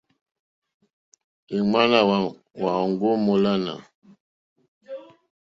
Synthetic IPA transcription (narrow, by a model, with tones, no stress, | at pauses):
e˨ma˦na˨w | wa˨ŋɡo˦mo˨la˦na̰˨